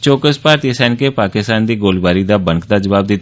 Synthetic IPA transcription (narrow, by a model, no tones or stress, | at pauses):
t͡ʃoːkəspaːɾt̪iəsɛ̃ːnkeːpaːkɪst̪aːnd̪iːɡoːlbaːɾiːd̪aːbə̃ŋkd̪aːd͡ʒəʋaːb̚d̪ɪt̪